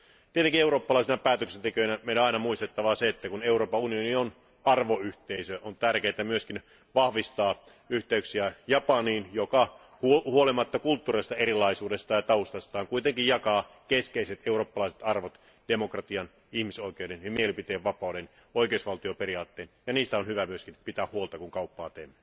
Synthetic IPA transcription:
t̪iet̪eŋkieuɾoːpːɑlɑˑisenɑpæːt̪øksent̪ekønæmeˑiloɑinɑmuist̪et̪ːɑʋɑseet̪ːækuneuroːpɑunionion | ɑrʋoyht̪eisøont̪ærkeːt̪æmyøskin | ʋɑhʋist̪ɑː | yht̪eyksiæjɑpɑniːnjokɑ | huhuolimɑt̪ːɑkult̪ːurest̪ɑerilɑisuːdest̪ɑːjɑt̪ɑust̪ɑst̪ɑːŋkuit̪eŋkijjɑkɑː | keskeiset̪euroːpːɑlɑˑise̥t̪ɑrʋot̪ | d̥emokrɑt̪iɑn | ihmisoˑikeudenjimielipit̪eːʋʋɑpɑˑuden | oikeˑusʋɑlt̪ioperiɑːt̪ːeːnjɑniːst̪æonhyʋæmyøskinpit̪æːhuolt̪ɑkuŋkɑupːɑːt̪ḛːmːˑø

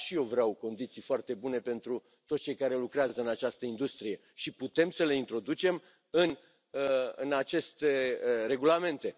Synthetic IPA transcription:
ʃijewvɾeawko̞nd̪it̪sijfoart̪e̞bune̞pe̞nt̪ɾu | t̪ot̪t͡ʃe̞jkaɾe̞lukɾeazəɨnat͡ʃast̪əind̪ust̪ɾije̞ | ʃiput̪e̞msəle̞int̪ɾo̞d̪ut͡ʃe̞m | ɨn | ɨnat͡ʃe̞st̪eɾe̞ɡulame̞nt̪e̞

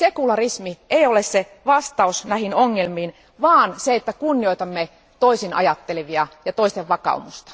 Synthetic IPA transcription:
sekulɑrismieiolesse | ʋɑst̪ɑusnæhinoŋːelmiːn | ʋɑːnseet̪ːækunːioit̪ɑmːe | t̪oisinɑ̰jɑt̪ːeleʋiɑjɑt̪oist̪eʋʋɑkɑ̰ṵmust̪ɑ̥

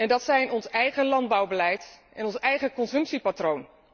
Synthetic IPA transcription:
ɛndɑtsɛjnɔnsɛjχəlɑnd̚bɑwbəlɛjtʔɛnɔnsɛjχəkɔnsɵmpsipatrown

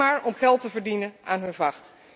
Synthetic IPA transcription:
aːɹɔmχɛlˠtəvəɹdinənaːnɦɵnvɑχt

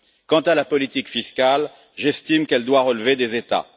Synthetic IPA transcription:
kɑ̃t̪alapɔlit̪ikfiskal | ʒɛst̪imkɛld̪waʁəlved̪ezet̪a̰

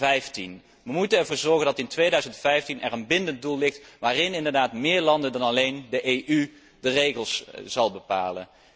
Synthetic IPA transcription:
ɛjftin | ʋəmutənɛɹvʊːɹzɔɹχəndɑtɪntʋejdœɥzəntfɛjftinɛrənbɪndənt̚dulˠːlɪχtʋaːrɪnɪndəɹdaːtmɪːɹlɑndəndɑnɑlejndəʔejʔy | dərejχəlˠsz̥ɑlˠbəpa̰ːlə̰n

